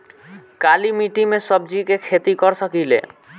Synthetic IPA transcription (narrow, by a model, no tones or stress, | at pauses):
kalimiʈimesɔb̚d͡ʒikekʰet̪ikɔɾsɔkilḛ